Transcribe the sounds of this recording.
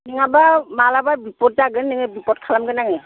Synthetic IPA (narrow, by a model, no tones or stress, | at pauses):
niŋabamalababipɔt̚zaɡɯnniŋɯbipɔt̚kʰalamɡɯnaŋɯ